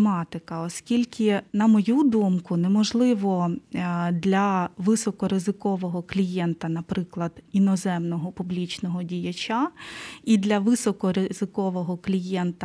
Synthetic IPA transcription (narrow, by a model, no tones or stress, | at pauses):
mɑt̪ɪkɐɔskʲilʲkʰʲɪnɐmɔjud̪umkʊnɛmɔʒlˠɪʋɔ | d̪lʲɐʋɪsɔkɔɾɪzɪkɔʋɔɦɔklʲijɛnt̪ɐnɐpɾɪklˠɐd̪̥inɔzɛmnɔɦɔpublʲit͡ʃnɔɦɔdʲijɐt͡ʃʲaid̪lʲɐʋɪsɔkɔɾɪzɪkɔʋɔɦɔklʲijɛnt̪ɐ